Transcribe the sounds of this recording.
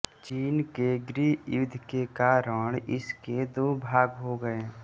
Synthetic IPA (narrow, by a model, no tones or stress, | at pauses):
t͡ʃiːnkeɡɾiːjʊd̪ʱkekaːɾəɽ̃ɪ̰sked̪oːbʱaːɡɦoɡəeː